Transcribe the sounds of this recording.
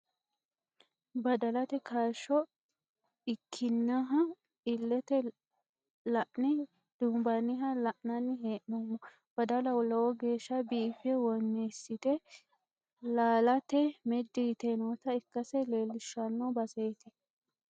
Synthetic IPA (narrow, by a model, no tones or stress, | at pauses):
bɐd̪ɐlɐt̪ɛkʰaʃːɔ | ɪkʰːɪnːɐɦɐ | ɪlːɛt̪ɛ | lɐʔnɪ | d̪̥ʊmbɐnːɪɦɐlɐʔnɐnːɪɦeːʔnɔmːɔ | b̥ɐd̪ɐlɐwʊlːɐwɔɡeːʃːɐbiːfɛwɔnːeːsːɪt̪ɛ | laːlɐt̪ɛmɛd̪ːiːt̪ɛnoːt̪ɐɪkːɐsɛle̞ːlːɪʃːɐnːɔbɐseːt̪ɪ